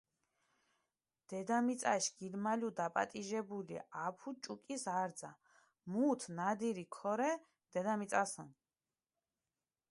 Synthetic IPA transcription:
d̪̥ɛd̪amit̪sʼaʃɡ̥ilmalud̪apʼa̰t̪ʼiʒɛbulḭapʰut͡ʃʼukʼisaɾd̪za̰ | mut̪ʰnad̪iɾikʰɔɾɛ | d̪̥ɛd̪amisʼasən

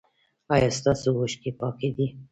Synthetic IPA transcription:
ɑjɑst̪ɑsuwoʃkepɑked̪i

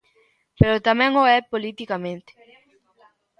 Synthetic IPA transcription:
peɾot̪amɛ̃ŋoɛpolit̪ikamẽnt̪e̥

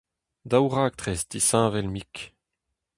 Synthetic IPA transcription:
d̪awʁaːk̚t̪χɛsd̪isãːvɛlmik

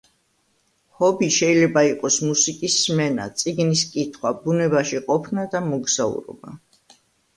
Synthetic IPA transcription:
hɔbiʃɛilɛbaiqʼɔsmusikʼisːmɛna̰t̪sʼiɡniskʼit̪ʰχwabunɛbaʃiqʼɔpʰnad̪amɔɡz̥aṵɾɔ̰ba̰

